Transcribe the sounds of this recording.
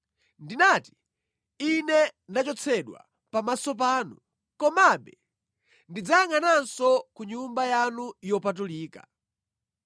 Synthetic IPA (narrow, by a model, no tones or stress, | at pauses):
ndinati̥ | inɛnat͡ʃɔt͡sʰɛɗwa̰ | pamasɔp̬aːnu | kɔmaɓɛ | ndid͡zaŋanansɔkuɲumbajanujɔpat̬uliːka